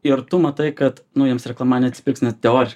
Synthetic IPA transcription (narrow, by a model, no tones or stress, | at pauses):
ɪrt̪ʊmɐt̪ɐɪkɐt̪nʊjiɛmsɾʲɛklˠɐmɑːnʲɛɐt̪sʲɪ̥pʲɪksʲnʲɛt̪t̪ʲɛoːɾʲɪʃ